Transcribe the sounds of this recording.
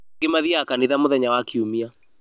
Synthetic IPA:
emaðiakaniðamoðɛɲawakiumia

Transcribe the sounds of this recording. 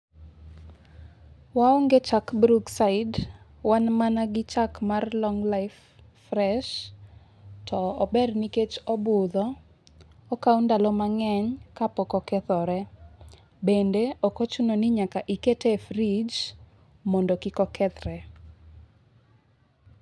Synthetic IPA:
waɔŋɡet͡ʃakbɾuɡsaɪd | wanmanaɡɪt͡ʃakmarlɔŋlaɪfː | rɛʃ | tʰɔɔbɛrniket͡ʃɔbʊd̪ɔː | kawndalɔmaŋɛɲkapɔkɔkɛt̪ɔɾɛ | bendeɔkot͡ʃunonɪɲakaʔiketefɾid͡ʒ | mɔndɔkɪkɔkʰɛt̪ɾɛ

